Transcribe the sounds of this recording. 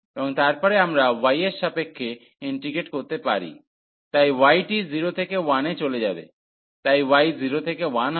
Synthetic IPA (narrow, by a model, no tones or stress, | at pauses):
ebɔŋt̪aɾpɔɾeamɾawajesʃapekʰːe | iɳʈɾiɡeʈkoɾt̪epaɾḭ | t̪ajwajʈiziɾot̪ʰekewanet͡ɕoled͡ʑabḛ | t̪ajwajziɾot̪ʰekewan